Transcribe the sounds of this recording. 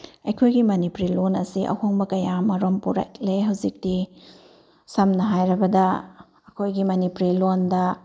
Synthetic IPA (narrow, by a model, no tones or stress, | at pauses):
ɐjkʰojɡimɐnipuɾilonɐsiʔɐ̰hoŋbɐkɐjamɐɾompuɾa̰kleɦɐwzik̚ti | sɐmnɐɦajɾɐbɐdɐ | ɐkʰojɡimɐnipuɾilondɐ